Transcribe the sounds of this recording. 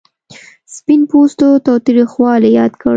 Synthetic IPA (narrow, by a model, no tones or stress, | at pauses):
spinpost̪ot̪ɑwt̪ɾixwɑlejɑd̪kəɽ